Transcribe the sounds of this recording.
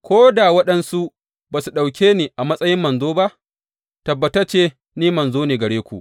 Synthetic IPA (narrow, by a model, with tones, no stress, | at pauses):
kʷoː˦da˨wɐ˦ɗɐ˦nsu˦ʔ | baː˨su˨ɗa˨wkʲeː˦niː˨ʔa˨mɐ˦sʼɐ˦jɪ˦mːɐ˨nzoː˦ba˦ʔ | tɐ˨bːɐ˨tɐ˦t͡ʃeː˦ | niː˦mɐ˨nzoː˦neː˨ɡɐ˨ɽeː˦kʷṵ˨ʔ